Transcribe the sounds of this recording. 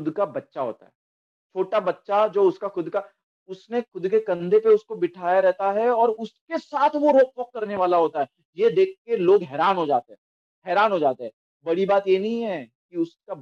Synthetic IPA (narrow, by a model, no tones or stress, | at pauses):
ʊd̪kabɐtːʃaɦo̰ːt̪a̰ɦɛː | t͡ʃʰoːʈabɐtːʃad͡ʒoːʊskaxʊd̪ka | ʊsnexʊd̪kekɐ̃nd̪ʱepeʊskobɪʈʰaːjaɾɛɦt̪aɦɛɔːɾʊskesaːt̪ʰʋoɾoːk̚ʋəq̚kːɐɾneʋaːlaɦoːt̪aɦɛ | jed̪eːk̚ʰkeloːɡɦɛːɾaːnɦod͡ʒaːt̪eɦɛ̃ː | ɦɛːɾaːnɦod͡ʒaːt̪eɦɛː | bɐɽibaːt̪jenɐɦĩɦɛ | kiʊska